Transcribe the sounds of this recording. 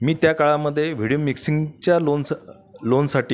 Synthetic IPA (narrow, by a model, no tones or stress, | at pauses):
miːt̪jakaɭaməd̪ʱːjeʋ̤iɽimiksiŋɡt͡ɕjalon | lonsaʈiː